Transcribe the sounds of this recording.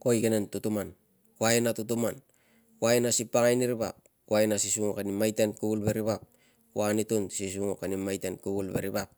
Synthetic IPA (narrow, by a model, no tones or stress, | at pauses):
kojikenentutuman | kuajenatutuman | kuaenasipaŋajniɾiba̰p̚ | kuaenasisuŋokanimajtankuβulbeɾiβap̚ | kuanitunsis̬uŋokanimajtankuβulbḛɾibap̚